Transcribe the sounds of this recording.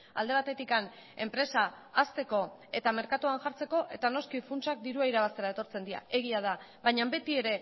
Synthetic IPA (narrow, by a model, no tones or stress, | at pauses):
a̰ld̪e̞βat̪e̞t̪ikan | e̞̰mpɾe̞saː | st̪e̞ko̞e̞t̪ame̞ɾkat̪uanʝaɾt͡se̞ko̞ʔe̞t̪ano̞skifunt͡ʃak̚d̪iɾuaiɾaβ̞ast̪e̞ɾaet̪o̞ɾt͡se̞nd̪ia̰e̞ɣiað̞aβajɲambe̞t̪ie̞ɾe̞